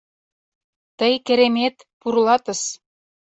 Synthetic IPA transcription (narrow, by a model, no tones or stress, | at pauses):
t̪əjkĕɾemet̪ | purlɑt̪ə̆ʃ